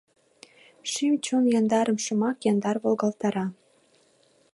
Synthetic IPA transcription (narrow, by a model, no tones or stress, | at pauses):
ʃimt͡ɕomjɑnd̪ɑɾɤ̆mʃumɑkjɑnd̪ɑrβolˠɣɑlt̪ɑɾɑ